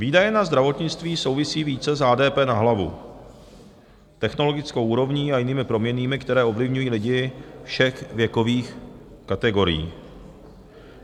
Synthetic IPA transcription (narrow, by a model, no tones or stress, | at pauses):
viːdajɛnazd̪ɾavo̞t̪ɲɪt͡st̪viːso̞wvɪsiːviːt͡sɛzɦaːdɛːpɛːnaɦlavṵ | t̪ɛxno̞lo̞ɡɪt͡skowʔuːɾo̞vɲiːajɪniːmɪpɾo̞mɲɛniːmɪkt̪ɛɾɛːo̞vlɪvɲujiːlɪɟɪfʃɛxvjɛko̞viːxkat̪ɛɡo̞ɾɪ̰jḭː